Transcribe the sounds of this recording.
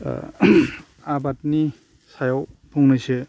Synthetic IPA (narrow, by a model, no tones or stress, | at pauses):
abat̚ni | sajawpʰuŋnɯjse